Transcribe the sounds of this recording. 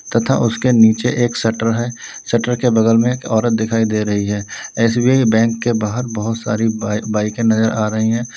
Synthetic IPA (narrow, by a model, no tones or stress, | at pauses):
t̪ɐt̪ʰa̰ʔʊskeniːt͡ʃeʔeːksɛʈəɾɦɛː | sɐʈəɾkebɐd̪əlmẽkɔːɾət̪̚d̪ɪkʰaːid̪eɾɐɦiɦɛːɛːsbiaːibɛ̃ːŋkːebaːɦəɾbɐɦʊt̪sa̰ːɾibaːɪkẽnɐzəɾʔaːɾɐɦiɦɛ̃ː